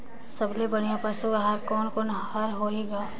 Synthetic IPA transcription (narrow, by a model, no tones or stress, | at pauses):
sɐblebɐɽ̃ijãpaːsukaɦaɾkɔːnkɔːnhɐɾɦoːeːɡaː